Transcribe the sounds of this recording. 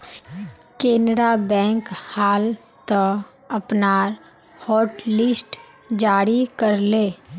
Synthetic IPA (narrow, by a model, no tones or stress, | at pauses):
keːnɾabɛ̃ːŋkhaːl | t̪ə | əpnaːɾ | hɔːʈlɪsʈ | d͡ʒaːɾikəɾleː